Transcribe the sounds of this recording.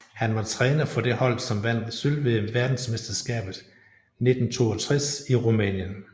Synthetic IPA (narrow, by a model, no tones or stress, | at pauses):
hænʋɑ̈t͡sʰʁɛːnɐfɒ̽d̥e̝hɒ̽l̰sɒ̽mʋæn̰sølʋe̝ʋæɐd̥n̩smesd̥ɐsɡ̥ɛ̰ːb̥ð̩ˠ | ne̝d̥n̩t͡sʰo̝̰ːɒt͡sʰʁɛsiʁumɛ̰ːnjən